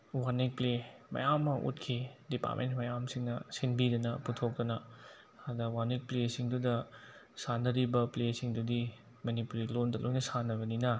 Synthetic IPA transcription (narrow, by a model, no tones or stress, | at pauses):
wanik̚plemɐ̰jamːɐʔṵt̚kʰidipa̰tmḛntmɐjamsiŋnɐsenbidɐnɐputʰok̚tɐnɐ | adɐwaɾnik̚plesiŋdudɐ | sanːɐɾibɐplesiŋdudi | mɐnipuɾilondɐlʔojnɐsanːɐβɐninɐ